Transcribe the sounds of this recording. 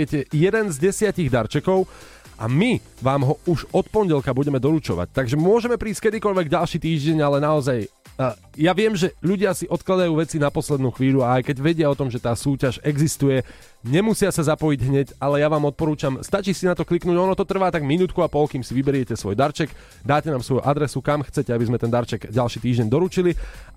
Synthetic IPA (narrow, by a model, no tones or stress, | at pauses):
ɛcɛjɛd̪ɛnzɟɛsɪaciɣd̪aɾt͡ʃɛkɔʊ | ʔa̰mi | ʋaːmɦɔuʒɔt̪̚pɔɲɟɛlkabuɟɛmɛd̪ɔlut͡ʃɔ̰ʋa̰c̚t̪aɡʒɛmʊɔʒɛmɛpɾiːsc̚kɛd̪ikɔʎʋɛɡɟalʃiːt̪iːʒɟɛɲalɛnaɔzaj | jaʋɪɛmʒɛʎuɟɪasiʔɔt̪klad̪ajuːʋɛt͡sinapɔslɛd̪nuːxʋiːʎuaajkɛɟʋɛɟɪaɔt̪ɔmʒɛt̪aːsuːcaʒɛɡzist̪ujɛ | ɲɛmusɪasazapɔjiɟɦɲɛcalɛjaʋaːmɔt̪̚pɔɾuːt͡ʃamst̪at͡ʃisinat̪ɔkliknuːɟɔnɔt̪ɔt̪r̩ʋaːt̪aɡminuːt̪̚kuapɔlkiːmsiʋibɛɾɪɛcɛsʋɔjd̪aɾt͡ʃɛɡ | d̪aːcɛnaːmsʋɔjuʔad̪ɾɛsukamxt͡sɛcɛabizmɛt̪ɛnd̪aɾt͡ʃɛɡɟalʃiːt̪iːʒɟɛɲd̪ɔɾut͡ʃili